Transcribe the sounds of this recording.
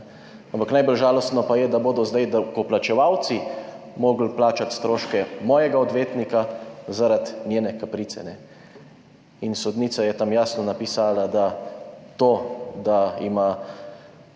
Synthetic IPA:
ampaknajbəlʒaːlɔst̪nɔpajɛd̪aboːd̪ɔzd̪ajd̪akɔplat͡ʃɛʋawt̪si | moːɡl̩plaːt͡ʃat̪st̪ɾoːʃkɛmɔːjɛɡaɔd̪ʋeːt̪nikazaɾad̪nʲjeːnɛkapɾiːt̪sɛ̰nɛ | insɔd̪niːt̪sajɛt̪amjaːsnɔnapisaːlad̪at̪oːd̪aḭma

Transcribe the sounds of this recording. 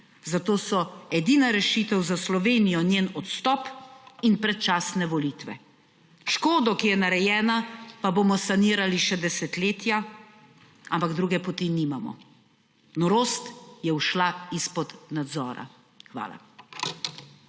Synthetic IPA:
zat̪oːsɔɛd̪iːnaɾɛʃit̪ɛwzaslɔʋeːnijɔnjeːnɔt̪st̪ɔpinpɾɛt̪̚t͡ʃaːsnɛʋɔlit̪ʋɛ̰ | ʃkoːd̪ɔkijɛnaɾɛjɛːnapaboːmɔsaniːɾaliʃɛd̪ɛsɛt̪leːt̪ja | ampaɡd̪ɾuɡɛpɔt̪iniːmamɔ̰ | nɔɾoːst̪jɛuʃlaispɔd̪nad̪zɔːɾa̰ | xʋa̰ːla̰

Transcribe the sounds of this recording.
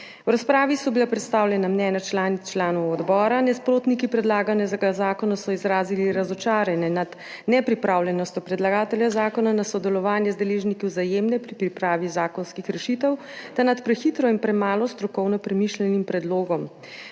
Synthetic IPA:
wɾaspɾaːʋisɔbilapɾɛt̪st̪aːwlʲjɛnamnɛːnat͡ʃlaːnit͡ʃlaːnɔwɔd̪bɔːɾanɛspɾoːt̪nikipɾɛd̪laːɡanɛzaɡazaːkɔnasɔizɾaːziliɾazɔt͡ʃaːɾjɛnɛnad̪ | nɛpɾipɾaːwljɛnɔst̪ʲɔpɾɛd̪laɡaːt̪ɛljazaːkɔnanasɔd̪ɛlɔʋaːnjɛzd̪ɛleːʒnikiwzajeːmnɛpɾipɾipɾaːʋizaːkɔnskixɾɛʃit̪ɛw | t̪anat̪pɾɛxit̪ɾɔinpɾɛmaːlɔst̪ɾɔkɔwnɔpɾɛmiʃlɛnimpɾɛd̪loːɡɔm

